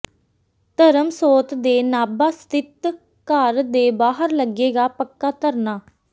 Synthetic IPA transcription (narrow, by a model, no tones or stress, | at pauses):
t̪əɾəmsoːt̪d̪eːnaːbaːst̪ɪt̪ | kəɾd̪eːbaːɦəɾləɡeːɡaːpəkːaːt̪əɾnaː